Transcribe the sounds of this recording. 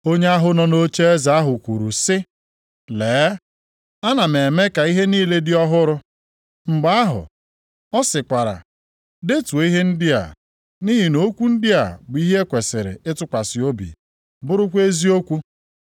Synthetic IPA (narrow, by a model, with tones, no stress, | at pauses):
o˦ɲe˦a˦ɦʊ˦nɔ˨no˦t͡ʃe˦e˦za˨a˦ɦʊ˨kʷu˨ɾu˨sɪ˦ | leː˨˦ | a˦na˨me˨me˦ka˨i˦ɦe˦niː˦le˦dɪ˦ɔ˦ɦʊ˦ɾʊ˦ | ŋ͡m̩˨ɡ͡ba˦a˦ɦʊ̰˨ | ɔ˦sɪ˨kʷa˨ɾa̰˨ | de˦tu˨e˨˦i˦ɦe˦n̩˦dɪ˦a̰˨ | ni˦ɦi˨no˦kʷu˦n̩˦dɪ˦a˨bʊ˨˦i˦ɦe˦kʷe˨sɪ˨ɾɪ̰˨ɪ˦tʊ˦kʷa˨sɪ˨o˦bḭ˨ | bʊ˦ɾʊ˦kʷe˦zi˦o˦kʷu˦